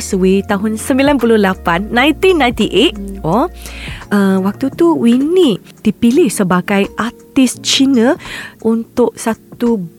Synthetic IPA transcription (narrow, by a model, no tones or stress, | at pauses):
səwet̪aɦʊnsəmbilanpulʊhlapanːãj̃nt̪inːãj̃nt̪iʔet̪̚ɔ | əwak̚t̪ut̪uwini | d̥ipilɪhsəbaɡajʔat̪ɪst͡ʃinə̃ʔunt̪ʊʔ̚sat̪u